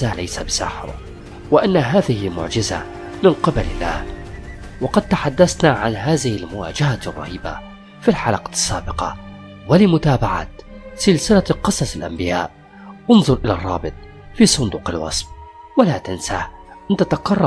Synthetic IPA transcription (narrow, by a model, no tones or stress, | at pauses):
alajsabɪsa̰ħɾ | wɪʔanːaɦaːðɪhɪlmʊ̰ʕd͡ʒɪza̰ | mɪnqɪbalɪ̰lːa̰ːh | wɑqɑd̪̚t̪aħad̪ːasnaʕa̰nɦaːðɪhɪlmʊwa̰ːd͡ʒaharˤːɑ̰hiːba̰ | filħalɑqɑsːaːbɪqɑ̰ | walɪmʊt̪aːbaʕa̰t̪sɪlsɪlaqɨsˤɑsɪlʔa̰mbɪja̰ːʔ | ʔʊnðˤʊɾʔɪlarˤːɑ̰ːbɪt̪ˤ | fiːsˤʊnd̪uːqɪlwɑ̰sˤf | walat̪ɪnsah | ʔɪnt̪at̪aqɑrˤːɑ